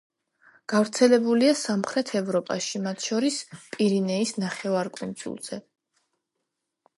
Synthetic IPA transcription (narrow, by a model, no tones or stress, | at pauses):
ɡ̥avɾt̪sʰɛlɛbuliasamχɾɛt̪ʰɛvɾɔpʼa̰ʃimat̪ʰʃɔɾispʼiɾinɛisnaχɛvaɾkʼṵnsʼṵlˠz̥ɛ